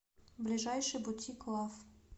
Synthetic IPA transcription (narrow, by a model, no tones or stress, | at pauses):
blʲiʒajʃɪbʊt̪ʲʰiklˠaf